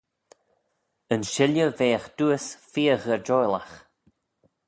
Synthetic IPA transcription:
ənʃɪljəveːxd̪̥uəsfiːəɣəɹd͡ʒɔjla̰x

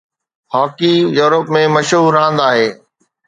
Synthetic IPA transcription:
haːkijuːɾəpmẽmɐʃɦuːɾãːn̆d̪aːɦeː

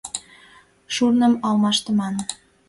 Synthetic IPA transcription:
ʃurnəmɑlmɑʃt̪əmɑn

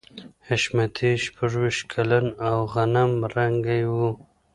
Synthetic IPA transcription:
heʃmat̪ʰiʃpʰəʐwiʃt̪̚kʰalanawɣanamɾaŋɡajwu

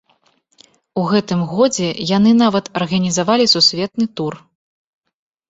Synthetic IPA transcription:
uɣɛt̪ɨmɣɔd͡zʲɛjan̪ɨnavɐt̪ɐrɣɐnʲizavalʲisusʲvʲɛt̪nɨt̪ur

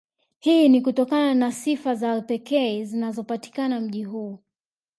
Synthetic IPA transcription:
hinikutɔkananasifazalpɛkɛzinazɔpati̥kanam̩ʄiɦuː

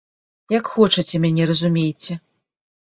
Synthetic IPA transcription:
jakxɔt͡ʂɐt͡sʲɛmʲanʲɛrɐzumʲejt͡sʲɛ

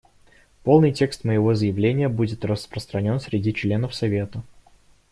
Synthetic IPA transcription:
po̞lˠnɨjtʲe̞kst̪məjɪvo̞zəjɪvlʲenʲɪjəbudʲɪt̪rəspɾəst̪ɾɐnʲo̞nsʲɾʲɪdʲit͡ɕlʲenəfsɐvʲe̞t̪ə

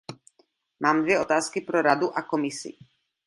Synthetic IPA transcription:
maːmd̪ʋjɛɔt̪aːskipɾɔɾad̪uʔakɔmisḭ

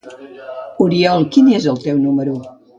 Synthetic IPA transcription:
uɾiɔlˠkinezəlˠt̪ewnuməɾu

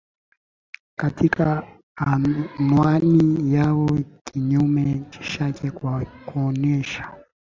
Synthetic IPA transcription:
katikaː | nwanijawɔkʰiɲumɛt͡ʃi̥ʃakɛkuɔnɛʃḁ

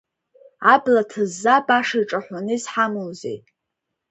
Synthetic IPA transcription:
ablatʰɨzːabaʂaiʈ͡ʂʼaħʷanɨsħamɨlzḛj

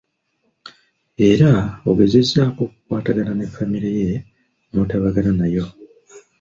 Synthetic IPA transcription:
e̞ɾaoɡe̞ze̞zːako̞ːku̥kwaːtaɡananefːamiɾeje | mutaβaɡananajo̞

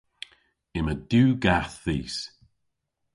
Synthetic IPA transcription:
ɪməd̥uːɡaθðiːs

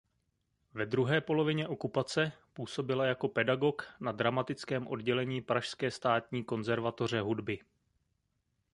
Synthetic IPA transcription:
vɛd̪ɾuɦɛːpo̞lo̞vɪɲɛʔo̞kupat͡sɛpuːso̞bɪlajako̞pɛdaɡo̞knadɾamat̪ɪt͡skɛːmʔo̞dɟɛlɛɲiːpɾaʃskɛːst̪aːt̪̚ɲiːko̞nzɛɾvat̪o̞r̝ɛɦudbɪ

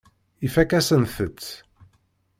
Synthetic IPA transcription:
ifækæsənθət͡sː

